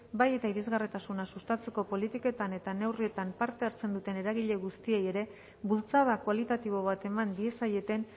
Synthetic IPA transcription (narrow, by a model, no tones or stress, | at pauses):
baje̞t̪aiɾezɣarit̪asunasust̪at͡se̞ko̞po̞lit̪iko̞t̪ane̞t̪ane̞wrie̞t̪ampaɾt̪e̞aɾt͡se̞nd̪ut̪e̞ne̞ɾaɣ̞iʎe̞ɣ̞ust̪ie̞je̞ɾe̞ | bult͡sað̞akualit̪at̪iβ̞o̞β̞at̪e̞mand̪ie̞saje̞t̪e̞n